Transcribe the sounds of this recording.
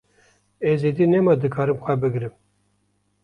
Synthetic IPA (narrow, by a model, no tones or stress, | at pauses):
ezid̪inemɑd̪ɨkʰɑːɾɨmxʷæbɨɡɾɨm